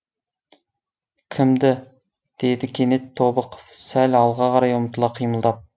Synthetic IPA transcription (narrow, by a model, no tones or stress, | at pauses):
kʲʰɪmd̪ɪ | d̪̥ed̪ɪkʲʰenet̪ʰːobəqfsælʲɑlˠʁɑʁɑɾɑjʊmt̪ʰəlˠɑqʰijməlˠd̪ɑp̚